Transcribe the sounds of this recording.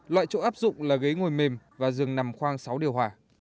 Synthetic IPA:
lwa̰ː˧˨jt͡ɕo̰˧˨ʔaː˦˥p̚zʊ̰˧˨ŋ͡mlaː˨˩ɣə˨˦jŋo˨˩jme˨˩mvaː˨˩zɨ˨˩əŋna˨˩mxwaː˧ŋsa˨˦wɗi˨˩əwɦwaː˨˩

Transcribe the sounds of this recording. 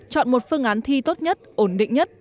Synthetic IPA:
t͡ɕɔ̰˧˨nmo˨˩t̚fɨ˧əŋʔaː˨˦nt̪ʰi˧t̪o˦˥t̚ɲə˦˥t̚ʔo˧˩nɗḭ˧˨ŋ̟ɲə˦˥t̚

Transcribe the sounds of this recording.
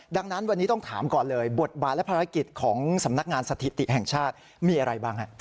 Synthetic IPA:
da˧ŋna˦˥nwa˧nːiː˦˥t̪ɔ˥˩ŋt̪ʰaː˩˦mkɔː˨˩nlɤː˧jbo˨˩t̪̚baː˨˩lɛ˦˥pʰaː˧ɾa˦˥ki˨˩t̪̚kʰɔː˩˦ŋsa˩˦mna˦˥k̚ŋaː˧nsa˧t̪ʰi˨˩t̪i˨˩hɛ˨˩ŋt͡ɕʰaː˥˩t̪̚ | miː˧ʔa˧ɾa˧jbaː˥˩ŋha˦˥ʔ

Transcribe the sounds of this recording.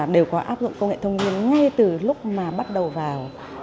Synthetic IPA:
ɗe˨˩wkɔ˨˦ʔa̰ː˦˥p̚zʊ̰˧˨ŋ͡mkə˧wŋ͡mŋḛ˧˨t̪ʰə˧wŋ͡mvi˧ənŋa˧jt̪ɨ˨˩lʊ˦˥k͡p̚maː˨˩ɓa˦˥t̚ɗə˨˩wvaː˨˩w

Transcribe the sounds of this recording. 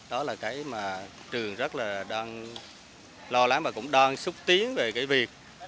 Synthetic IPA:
ɗɔ˨˦laː˨˩kaː˨˦jmaː˨˩ | t͡ɕɨ˨˩əŋzə˦˥t̚laː˨˩ɗaː˧ŋ | lɔ˧la˨˦ŋmaː˨˩kʊ̰˧˥ŋ͡mɗaː˧ŋsɨ˦˥k͡p̚t̪i˨˦əŋve˨˩kaː˨˦jvi˨˩ək̚

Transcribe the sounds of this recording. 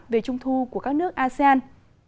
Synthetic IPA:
t̚ve˨˩t͡ɕʊ˧ŋ͡mt̪ʰu˧ku˧˩əkaː˦˥k̚nɨ˦˥ək̚ʔaː˧sɛ˧aː˧n

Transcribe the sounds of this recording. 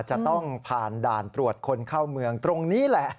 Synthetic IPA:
t͡ɕa˨˩t̪ɔ˥˩ŋpʰaː˨˩ndaː˧˩nt̪ɾu˨˩ət̪̚kʰo˧nkʰaː˥˩wmɯ˧əŋt̪ɾo˧ŋniː˦˥lɛ˨˩ʔ

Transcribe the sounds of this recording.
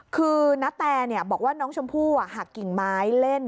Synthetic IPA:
kʰɯː˧na˦˥t̪ɛː˧ni˥˩ɐbɔː˨˩k̚waː˥˩nɔː˦˥ŋt͡ɕʰo˧mpʰuː˥˩a˨˩haː˨˩kːi˨˩ŋmaː˨˦˥jle˥˩n

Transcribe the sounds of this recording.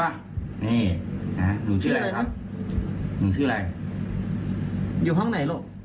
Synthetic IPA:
a˧˩ | niː˧˩ha˦˥nuː˨˦sʰɯː˥˩˧a˧laː˧jn˦˥ | nuː˨˦sʰɯː˥˩˨a˧j | juː˨˩ɦɔ˥˩ŋna˨˦jlo˧˩

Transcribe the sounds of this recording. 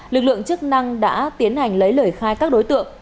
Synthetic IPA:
lɨ˨˩k̚lɨ̰˧˨əŋt͡ɕɨ˦˥k̚na˧ŋɗa̰ː˧˥t̪i˨˦ənha˨˩jŋ̟lə˨˦jləː˧˩jxaː˧jkaː˦˥k̚ɗo˨˦jt̪ɨ̰˧˨əŋ

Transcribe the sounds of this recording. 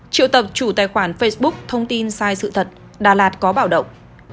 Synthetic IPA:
t͡ɕḭ˧˨əwt̪ə˨˩p̚t͡ɕu˧˩t̪aː˨˩jxwaː˧˩nfe˧jsɓʊ˦˥k̚t̪ʰə˧wŋ͡mt̪i˧nsaː˧jsɨ̰˧˨t̪ʰə˨˩t̚ | ɗa̰ː˧˩laː˨˩t̚kɔ˨˦ɓaː˧˩wɗə̰˧˨wŋ͡m

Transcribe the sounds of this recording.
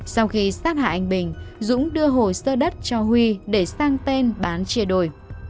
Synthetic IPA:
sa˧wxi˧saː˦˥t̚ha̰ː˧˨ʔa˨˩jŋ̟ɓï˨˩ŋ̟zʊ̰˧˥ŋ͡mɗɨ˧əɦo˨˩jsəː˧ɗə˦˥t̚t͡ɕɔ˧hwi˧ɗe˧˩saː˧ŋt̪e˧nɓaː˨˦nt͡ɕi˧˩əɗo˧˨˩j

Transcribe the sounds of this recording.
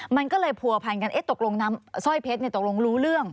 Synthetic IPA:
ma˧nkɔː˥˩lɤː˧jpʰu˧˩ɐpʰa˧˩nka˧nʔe˦˥t̪o˨˩k̚lo˧ŋnaː˦˥msɔ˥˩jpʰe˦˥ni˧˩t̪o˨˩k̚lo˧ŋɾuː˦˥ɾɯ˥˩əŋ

